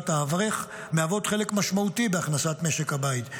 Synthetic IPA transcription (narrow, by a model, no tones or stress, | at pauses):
taavʁeχ | meavo̞d̪χe̞lekmaʃmaut̪ibeaχnasat̪me̞ʃekhabait̪